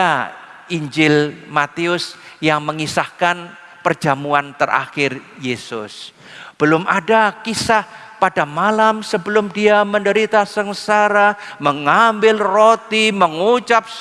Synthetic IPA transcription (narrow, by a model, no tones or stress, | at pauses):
a | iɲd͡ʒɪlmat̪iʊsjaŋməŋisahkan | pərd͡ʒamuant̪ərʔa̰xɪrjesʊ̰s | b̥əlʊmʔadakisah | padamalamsəbəlʊmdiaməndəɾit̪asəŋsaɾaməŋambɪlrot̪iməŋut͡ʃap̚